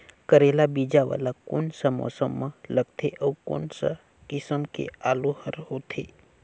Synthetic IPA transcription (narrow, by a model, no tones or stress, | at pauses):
kəɾelabid͡ʒaʋa̰ːlakoːnsəmɔ̰ːsəmːə̃ləɡt̪ʰeʔəwko̰ːnsə̰ | kɪsəmkḛaːlohəɾɦoːt̪ʰeː